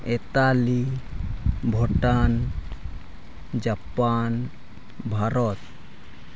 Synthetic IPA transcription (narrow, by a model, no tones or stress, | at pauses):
et̪ali | bʱɔʈan | d͡ʒapan | bʱaɾɔt̪